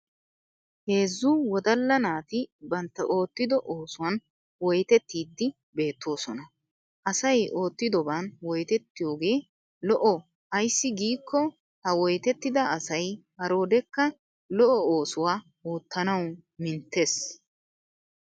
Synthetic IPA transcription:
he̞ːzːuwɔd̪ɐlːɐnaːt̪ɪbɐnt̪ːɐʔo̞ːt̪ːɪd̪ɔʔoːsʊwɐn | wɔjt̪ɛt̪ːiːd̪ːɪ | be̞ːt̪ːo̞ːsɔnɐ | ʔɐsɐjo̞ːt̪ːɪd̪ɔbanwɔjt̪ɛt̪ːɪjo̞ːɡe̞ː | lɔʔɔ | ɐjsːɪɡiːkʰːɔ | hɐwɔjt̪ɛt̪ːɪd̪ɐɐsɐjhɐɾo̞ːd̪ɛkːɐ | lɔʔɔoːsʊwaː | oːt̪ːɐnɐwmɪnt̪ːeːs

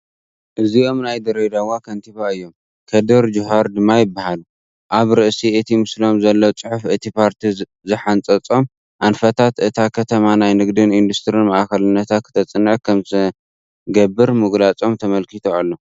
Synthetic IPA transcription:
ʔɨziʔo̞mnajd̪ɐɾed̪awakʰɐnt̪ʰiβaɨjːo̞m | kʰɐd̪ɨɾd͡ʒʊɦaɾd̪ɨmːajɪbːahalu | ʔaβɾɨʔsiɨt̪ʰimɨslo̞mzɐlːot͡sʼɨħufʔɨt̪ʰipʰaɾt̪ʰi | zɨħant͡sʼɐt͡sʼo̞m | ʔanfɐt̪ʰat̪ʔɨt̪ʰakʰɐt̪ʰɐmanajnɨɡd̪ɨnind̪ust̪ʰɨɾinmɐʔkɐlɨnːɐt̪ʰakʰːɨ̥t̪ʰɐt͡sʼɨnːɨʕkʰɐmt̪ɐ | ɡɐbːɨɾmɨɡlat͡sʼo̞mt̪ʰɐmɐlkit̪ʰoalːo

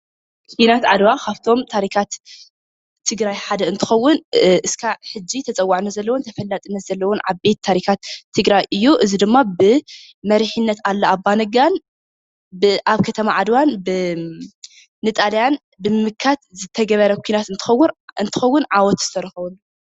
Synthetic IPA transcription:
kʷʰinat̪ʕad̪wakʰaβt̪ʰo̞mt̪ʰaɾikʰat̪ʰː | ɨɡɾajħad̪ɐɨnt̪ʰɨ̥xɐwːʊnɨskʰaħɨd͡ʒːit̪ʰɐt͡sʼɐwːaʕnɐzɐlːɐwont̪ʰɐfɐlːat̪ʼɨnːɐz̥ɐlːɐwɔnʕa̰βbe̞t̪ʰːaɾikat̪ʰːɨɡɾajʔɨjːuʔɨzid̪ɨmːabɨ | mɐɾiħɨnːɐt̪alːɐabːanɐɡan | bɨʔaβkʰɐt̪ʰɐmaʕad̪wanbɨ | ɨt̪ʼaljan | bɨmɨmɨkʰːat̪zɨt̪ʰɐɡɐβɐɾɐkʷʰuinat̪ɨnt̪ʰɨxɐwːɨnt̪ʰɨ̥xɐwːʊnʕawɔt̪zɨ̥t̪ʰɐɾɐxɐβɐlːu

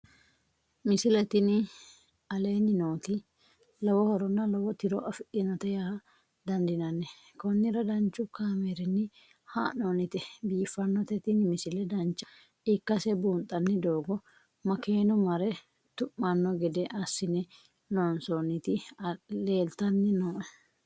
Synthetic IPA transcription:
mɪsɪlɛt̪ɪnɪ | ɐleːnːɪnoːt̪ɪ | lɔwɔhɔɾɔnːɐlɔwɔt̪ɪɾɔʔɐfɪᶑɪnɔt̪ɛjahɐ | d̪ɐnd̪ɪnɐnːɛ | kɔnːɪɾɐd̪ɐnt͡ʃːʊkaːmɛɾɪnːɪ | ha̰ːnonɪt̪ɛbiːfːɐnːɔt̪ɛt̪ɪnɪmɪsɪlɛd̪ɐnt͡ʃːɐ̥ | ɪkːɐsɛbuːnt̪ʼːɐnːɪd̪oːɡɔ | mɐkeːnɔmɐɾɛ | t̪ʊʔːɐnːɔɡɛd̪ɛʔɐsːɪnɛ | noːnsonɪt̪ɪle̞ːlt̪ɐnːɪnoːʔɛ

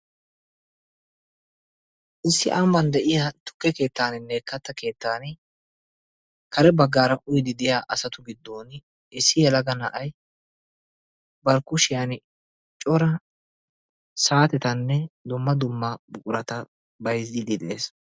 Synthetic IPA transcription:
ʔɪsːɪʔaːmːɐnd̪ɛʔɪjat̪ʊ̥kːɛke̞ːt̪ːaːnɪnːɛkːɐt̪ːɐke̞ːt̪ːaːn | kɐɾɛbɐɡːaːɾɐʔʊjd̪ɪd̪ɪjaːʔɐsɐt̪ʊɡɪd̪ːoːn | ɪsːɪjɛlɐɡɐnɐ̰ʔɐj | bɐɾkʊʃɪjɐn | t͡ʃʼɔɾɐ | saːt̪ɛt̪ɐnːɛd̪ʊmːɐd̪ʊmːɐbʊkʼʊɾɐt̪ɐ | bɐjzid̪ɪd̪ɛḛːs

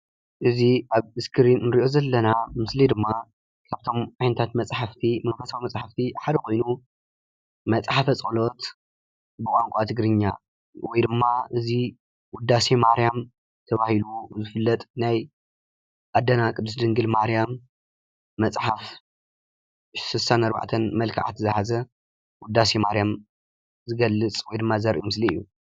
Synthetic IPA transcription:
ʔɨziʔaβɨskʰɨɾinnɨɾiʔo̞zɐlːɐnamɨslid̪ɨmːa | kʰaβt̪ʰo̞mʕajnɐt̪ʰat̪mɐt͡sʼħaft̪ʰimɨnfɐsawimɐt͡sʼħaft̪ʰiħad̪ɐkʰo̞jnu | mɐt͡sʼħafɐt͡sʼolo̞t̪ | bɨkʼaŋkʷʼat̪ʰɨɡɾɨɲːa̰ | wɔjd̪ɨmːaʔɨzi | wʊd̪ːasemaɾjam | t̪ʰɐβahiluzɨfɨlːɐt̪ʼnaj | ʔad̪ːɐnakʼɨd̪ːɨsd̪ɨŋɡɨlmaɾijamː | ɐt͡sʼħaf | ʃsɨsanɐɾba̰ʕt̪ʰɐnmɐlkʰa̰ʕa̰t̪zɨhazɐ | wʊd̪ːasemaɾjam | zɨɡɐlːɨt͡sʼwɔjd̪ɨmːazɐɾʔimɨsliɨjːu

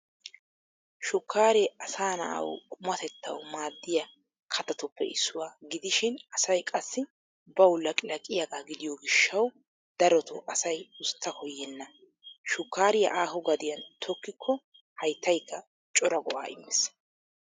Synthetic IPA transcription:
ʃʊkːaːɾɛɐsaːnɐ̰ʔɐ̰wkʼʊmɐt̪ɛt̪ːɐwmaːd̪ːɪjɐ | kʰɐt̪ɐt̪ʊpːɛ̰ʔɪsːʊwaːɡɪd̪ɪʃɪnɐsɐjkʼɐsːɪ | bɐwlɐkʼɪlɐkʼɪjɐkʼaɡɪd̪ɪjɔːɡɪʃːɐw | d̪̥ɐɾɔt̪ʊʔɐsɐjʊst̪ːɐkɔjːɛnːɐ | ʃʊkːaːɾɪjɐ̰ʔaːɦɔɡɐd̪ɪjɐnt̪ʰɔkːɪkʰːɔ | hɐjt̪ːɐjkːɐ | t͡ʃʼɔɾɐɡɔʔa̰ːʔɪ̰mːɛs

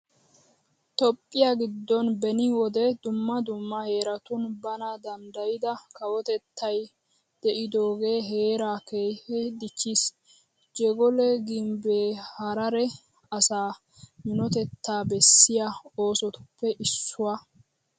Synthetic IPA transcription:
t̪ɔpʼːɪjaɡɪd̪ːɔnbɛnɪwɔd̪ɛd̪ʊmːɐd̪ʊmːɐhe̞ːɾɐt̪ʊnbɐnɐd̪ɐnd̪ɐjɪd̪ɐkɐwɔt̪ɛt̪ːɐj | d̪̥ɛʔɪd̪o̞ːɡe̞ːɦe̞ːɾaːkeːhɛd̪ɪt͡ʃːis | d͡ʒɛɡɔlɛɡɪmbeːhɐɾɐɾɛ | ɐsaː | mɪnɔt̪ɛt̪ʰːaːbɛsːɪjao̞ːsɔt̪ʊ̥pːɛʔɪsːʊwa

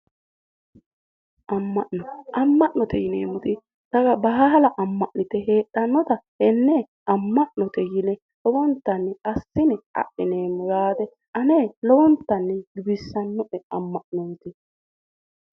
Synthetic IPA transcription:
ʔɐmːɐʔnɔʔɐmːɐʔnɔt̪ɛjɪnḛːmʊt̪ɪ | t̪ɐɡɐbɐɦɐɦɐlɐʔɐmːɐʔnɪt̪ɛɦeːʔːɐnːɔt̪ɐhɛnːe | ɐmːɐʔnɔt̪ɛjɪnɛ | lɔwɔnt̪ːɐnːɛɐsːɪnɛɐ̰ʔːɪneːmʊɾaːt̪ɛ | ɐneːlɔwɔnt̪ːɐnːɛɡɪbɪsːɐnːɔʔɛɐmːɐʔnɔt̪ɪ

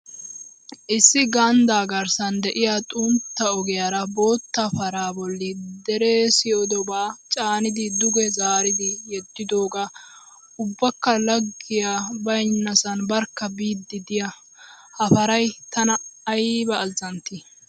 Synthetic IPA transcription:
ʔɪsːɪɡɐnd̪aːɡɐɾsɐnd̪ɛʔɪjat̪ʼʊnt̪ːɐɔɡɛjaɾɐbo̞ːt̪ːɐfɐɾaːbɔlːɪd̪ɛɾesɪɔd̪ɔbaːt͡ʃʼaːnɪd̪ɪd̪ʊɡɛzaːɾɪd̪ɪjɛd̪ːɪd̪o̞ːɡaː | ʊbːɐkːɐlɐɡːɪjabɐjnːɐsɐnbɐɾkːɐbiːd̪ːɪd̪ɪjɐ | hɐfɐɾɐjt̪ɐnɐɐjbɐʔːlzɐnt̪i

